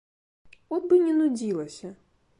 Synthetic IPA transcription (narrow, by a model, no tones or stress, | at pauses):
ɔd̪̚bɨnʲɛnud͡zʲilˠɐsʲɐ